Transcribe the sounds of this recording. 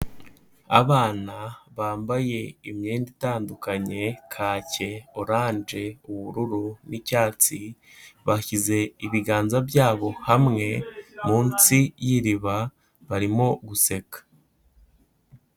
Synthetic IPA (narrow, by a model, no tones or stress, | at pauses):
a̰βaːnaβaːmbaje̞imɲeːnditaːndukaɲe̞kʰaːce̞oɾaːɲd͡ʒe̞uβuɾuɾunicaːt͡si | βaçize̞iβiɡaːnzabjaːβo̞hamŋe̞muːnt͡sijiɾiβa | βaɾimo̞ɡuse̞kḁ